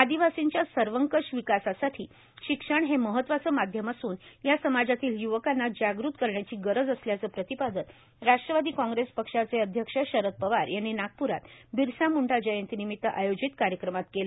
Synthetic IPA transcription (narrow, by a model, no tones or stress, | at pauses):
ad̪iʋasiɲt͡ɕjasəɾʋəŋkəʂʋikasasaʈʰiː | ɕikʂəɳɦeməɦət̪ːʋat͡səːmad̪ʱjəmasuːnjasəmad͡zat̪iːljuʋəkanːad͡ʑaɡɾuːt̪kəɾɳjat͡ɕiːɡəɾəd͡zəsljat͡səːpɾət̪ipad̪ən | ɾaʂʈɾəʋad̪iːkɔ̃ŋɡɾespəkʂat͡seəd̪ʱjəkʂəɕəɾət̪̚pəʋaɾjanːinak̚puɾat̪biɾsamuɳʈad͡ʑəjənt̪inimit̪ːəʔajod͡ʑit̪kaɾjəkɾəmat̪kelə